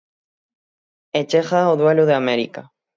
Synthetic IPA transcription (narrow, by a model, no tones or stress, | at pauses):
et͡ʃexaoðweluðeameɾḭka